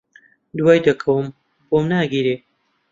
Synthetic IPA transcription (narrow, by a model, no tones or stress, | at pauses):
d̪waːjd̪ɐkʰɐwɨm | boːmnaːɡiːɾeː